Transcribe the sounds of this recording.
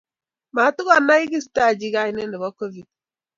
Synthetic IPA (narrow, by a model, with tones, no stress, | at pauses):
ma˨tʊ˦ɣa˨na˦i˦ɡi˦s̬ta˦˨d͡ʒi˦ɣa˦ɪ˦ne˦nɪ˨βɔ˦ko˦vi˨d̚